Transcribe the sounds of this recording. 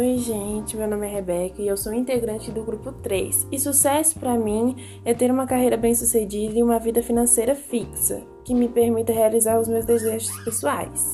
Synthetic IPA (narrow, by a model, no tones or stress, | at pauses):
ojʒẽt͡ʃɪmewnõmɪɛɦebɛkɐɪewsowĩnt̪eɡɾɐ̃nt͡ʃɪd̪ʊɡɾupʊt̪ɾḛsɪsusɛsʊ̥pɾɐmĩ | ɛt̪eɾũmɐkaɦejɾɐbẽj̃sused͡ʒid̪ɐɪ̃ũmɐvid̪ɐfinɐ̃sejɾɐfiksɐ̰ | kɪmɪpeɾmit̪ɐɦealizaɾʊzmewzd̪ezeʒʊspesua̰js